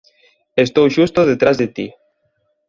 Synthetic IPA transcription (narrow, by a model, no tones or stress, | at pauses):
est̪owʃust̪oðet̪ɾazðet̪i